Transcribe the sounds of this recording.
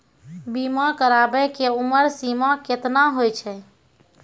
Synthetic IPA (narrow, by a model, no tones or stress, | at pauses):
bimakəɾabɛkeuməɾsimaket̪naɦojt͡ʃʰɛ